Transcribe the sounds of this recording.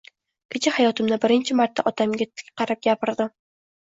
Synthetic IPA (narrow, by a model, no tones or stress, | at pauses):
kʲʰet͡ʃʰɪhajɒt̪ʰɪmnɪbɪɾɪnt͡ʃʰɪmaɾt̪ʰːaʔɒt̪ʰamɡʲat̪ʰɪ̥kʲqɑɾap̚ɡʲapɪɾd̪ɪ